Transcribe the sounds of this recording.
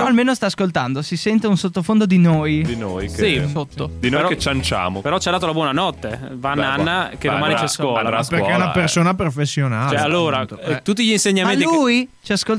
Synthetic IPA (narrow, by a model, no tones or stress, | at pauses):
ɾɔalmeːnost̪aːskolt̪and̪osisɛnt̪eunsot̪ːofond̪od̪inojd̪inojkisot̪ːod̪inojɾket͡ʃant͡ʃa̰ːmopeɾɔt͡ʃad̪aːt̪oulabwɔːnanɔt̪ːe | vanːanːaked̪omaːnit͡ʃskwɔːlapeɾkɛunapersoːnapɾofesːjonaalːoːɾat̪ut̪ːiʎinseɲːamenliujt͡ʃiaskol